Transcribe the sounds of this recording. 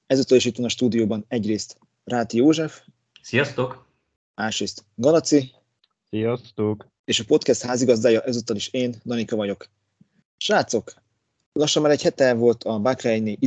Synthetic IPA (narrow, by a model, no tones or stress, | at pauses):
ɛzut̪ːɒliʃit̪ːonɒʃt̪uːd̪ijoːbɒnɛɟreːst̪ | raːt̪joːʒɛf | sijɒst̪ok | aːʃɾeːst̪ɡɒlɒt̪si | sijɒst̪oːk | eːʃɒpo̞t̪kɛst̪haːziɡɒzd̪aːjɒʔɛzut̪ɒliʃeːnd̪ɒnikɒvɒɟo̞k | ʃaːt̪so̞k | lɒʃːɒmːaːɾɛchɛt̪ɛvo̞lt̪ʰɒbakrɛɛjneʔi